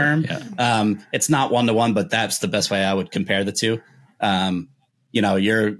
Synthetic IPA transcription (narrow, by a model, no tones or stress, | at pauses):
ɜ̃˞m̰ʌ̃mɨtsnəʔwʔʌ̃nðəwʌ̃nbʌt̪̚ðætsðɨbɛst̚weɪaɪwɨd̚kʰm̩pʰɛɹðɨtʰʉ | ʔʌ̃m | jɨɾ̃oʊjə˞